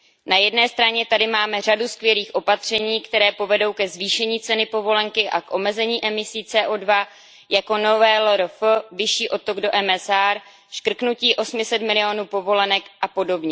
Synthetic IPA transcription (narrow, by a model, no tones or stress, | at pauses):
najɛdnɛːst̪ɾaɲɛt̪adɪmaːmɛr̝aduskvjɛliːxʔo̞pat̪r̝̥ɛɲiːkt̪ɛɾɛːpo̞vɛdo̞wkɛzviːʃɛɲiːt͡sɛnɪpo̞vo̞lɛŋkɪʔakʔo̞mɛzɛɲiːʔɛmɪsiːt͡sɛːʔoːdva | jako̞novɛːloɾofvɪʃiːʔo̞t̪o̞ɡdo̞ʔɛmɛsaɾ | ʃkr̩knuciːʔo̞smɪsɛt̪mɪlɪo̞nuːpo̞vo̞lɛnɛkʔapo̞do̞bɲɛ